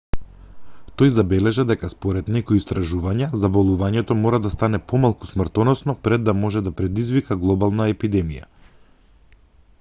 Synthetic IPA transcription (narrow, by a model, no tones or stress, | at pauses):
t̪ojzabɛlɛʒɛd̪ɛkaspɔɾɛd̪nɛkɔjist̪ɾaʒuvaɲazabolˠuvaɲɛt̪ɔmɔɾad̪ast̪anɛpɔmalˠku̥smr̩t̪ɔnɔsnɔpɾɛd̪ːamɔʒɛd̪apɾɛd̪izvikaɡlˠɔbalˠnaɛpid̪ɛmija̰